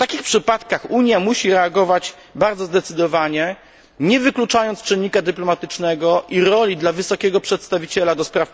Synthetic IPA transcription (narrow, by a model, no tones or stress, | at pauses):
ft̪akʲixpʂɘpat̪kaxuɲjamuɕiɾɛaɡɔvat͡ɕ | baɾd̪zɔzd̪ɛt̪sɘd̪ɔvaɲɛ | ɲɛvɘklut͡ʂajɔnt̪st͡ʂɘnːikad̪ɘplɔmat̪ɘt͡ʂnɛɡɔʔiɾɔlʲid̪lavɘsɔkʲɛɡɔpʂɛt̪st̪avʲit͡ɕɛlad̪ɔspɾaf